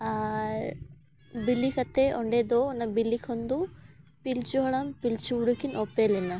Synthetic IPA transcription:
a | bilːikɐt̪ːeʔoɳɖed̪onːɐbilːikʰond̪u | pilt͡ɕuɦɐɳɐmpilt͡ɕuuɽukːinʔopːelinːɐ

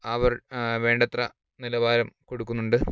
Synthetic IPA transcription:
ɐʋɐrʋe̞ːɳɖɐt̪rɐ | nilɐʋaːɾɐmko̞ɽukːunːuɳɖɨ

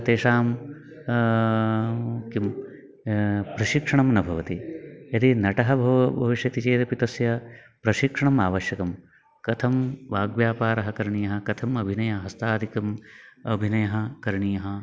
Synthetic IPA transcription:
t̪eːʂaːm | kim | pɾɐʃikʂɐɳɐmnɐbʱɐʋɐt̪iɐt̪inɐʈɐɦɐbʱɐʋbʱɐʋiʃjɐt̪it͡ʃeːt̪ɐpit̪ɐsjɐ | pɾɐʃikʂɐɳɐmaːʋɐʃjɐkɐm | kɐt̪ʰɐmʋaːɡʋjaːpaːɾɐɦɐkɐɾɳijɐɦɐkɐt̪ʰɐmɐbʱinɐjɐɦɐst̪aːd̪ʱikɐmɐbʱinɐjɐɦɐ̆kɐɾɳiːjɐɦɐ

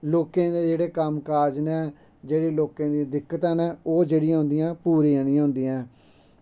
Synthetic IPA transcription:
loːkẽːd̪eːd͡ʒeːɽeːkəmkaːd͡ʒneː | d͡ʒeːɽiːloːkãːd̪ĩːd̪ɪkːət̪ãːneːoːd͡ʒeːɽɪjãːɦʊ̃nd̪ijãːpuːɾiːanɪĩãːɦʊ̃nd̪iːãː

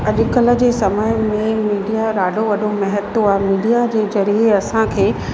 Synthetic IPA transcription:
ɐʄʊkələ̆d͡ʑeːsɐməjmẽmiːɖijaɾaːɖʱoʋɐɗʱomɛɦət̪ːoaːɦmiːɖijad͡ʑeːzɐɾieɐsãkʰeː

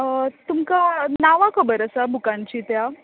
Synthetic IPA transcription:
t̪umkanaʋakʰəbəɾəsabʱukãɲt͡ɕiːt̪ja

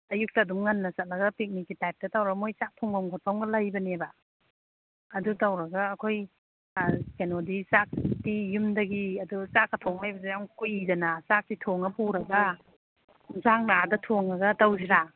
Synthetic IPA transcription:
ɐjuk̚tɐːdumŋɐnːɐsɐt̚lɐɡɐpik̚nikːitajp̚tɐtawɾɐɡɐmojsak̚tʰoŋɡamŋkʰotʰawŋɡɐlajbɐnebɐ | ɐdutawɾɐɡɐɐkʰoj | kenodisak̚tijumdɐɡiɐdusakɐtʰoŋlajbɐsijaŋkujidɐnɐsak̚titʰoŋɐpuɾɐɡɐ | zaŋnadɐtʰoŋɐɡɐtawziɾa

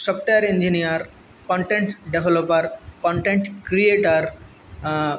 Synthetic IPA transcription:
sɔpʈejɐɾẽnd͡ʒinijɐɾ | kɔ̃ɳʈẽɳʈɖeʋʱelopɐɾkɔ̃ɳʈẽɳʈkɾieʈəɾ

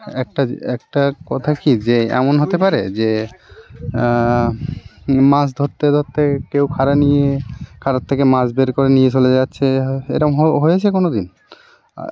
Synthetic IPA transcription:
ɛk̚ʈaɛk̚ʈakɔt̪ʰakid͡ʑeɛ̰monɦot̪epaɾed͡ʑe | mãs̬d̪ʱoɾt̪ːed̪ʱot̪ʰːekewkʰaɾanijekʰaɾat̪ʰːekemãsbeɾkoɾenijet͡ɕoled͡ʑatːɕʰeḛʈaɦɦojet͡ɕʰekonod̪in̰

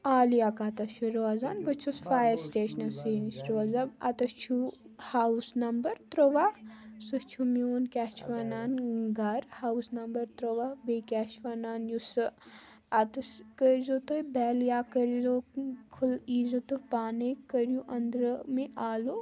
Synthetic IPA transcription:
aːlijakaːt̪ɐʃʰuɾoaːzaːnbɐt͡ʃʰusfaːjəɾsʈeːʃɐnɐsiːnisɾoazɐbɐ̰t̪ɐt͡ʃʰuhaːwusnɐmbəɾt̪ɾoʋasust͡ʃʰumjoːnkʲɛːʃʋanaːnɡɐɾhaːusnɐmbɐɾt̪ɾoʋabeːkʲɛːʃʋaːnaːnjus | ɐt̪ɐskəɾzoːt̪oibɛːljaːkɐɾzokʰuliːzot̪opaːnekɐɾjuʔɐnd̪ɾəmẽʔaːlo

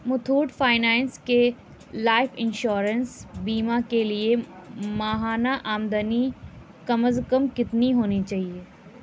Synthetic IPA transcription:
mʊt̪ʰuːɾʈfaːɪnaːnske | laːɪfɪ̃nʃoːɾənsbiːmakeliemaːɦaːnaʔaːmd̪əni | kɐməzkəmkɪt̪niɦoːnit͡ʃaːɦieː

